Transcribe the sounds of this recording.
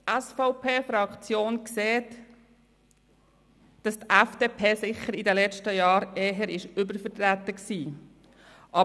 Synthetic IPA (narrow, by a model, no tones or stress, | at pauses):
ʔæsfɔʊpʰeːfɾɑkt͡sjoːnkseːt | d̥ɑst̪ʔæfd̥epʰeːsɪχːəɾidəlɛt͡ʃtəjɑːɾeːɦəɾɪʃʏbəɾfəɾt̪ɾæt̪əksiː | ʔɑ